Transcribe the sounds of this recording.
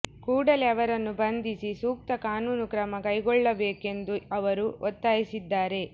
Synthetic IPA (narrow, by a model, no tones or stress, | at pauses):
kuːɽɐleɐʋɐɾɐnːubɐnd̪isisuːk̚t̪ɐkaːnuːnukɾɐmɐkɐjɡɔɭːɐbeːke̞nd̪uɐʋɐɾuʔɔt̪ːaːjisid̪ːaːɾe̞